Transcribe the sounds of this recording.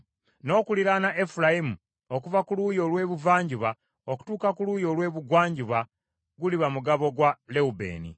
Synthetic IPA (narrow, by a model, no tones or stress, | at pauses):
no̞ːkuliɾanaʔefulajimu | okuvakulujo̞lwe̞ːβuvaːɲɟiβa | oku̥tuːkakulujo̞lwe̞ːβuɡwaːɲɟiβa | ɡuliβamuɡaβo̞ɡwale̞ubḛːnḭ